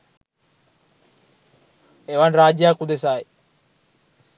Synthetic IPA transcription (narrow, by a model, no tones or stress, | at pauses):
eʋanɾaːd͡ʒjaːkud̪es̬aːj